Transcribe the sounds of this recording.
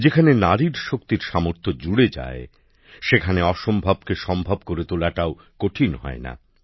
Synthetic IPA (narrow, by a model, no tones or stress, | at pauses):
d͡ʑekʰanenaɾiɾʃokt̪iɾʃamoɾt̪ʰod͡ʑuɽed͡ʑa̰e | ʃekʰaneɔʃombʱab̚keʃɔmbʱab̚koɾet̪olaʈao | koʈʰinɦɔ̰ena̰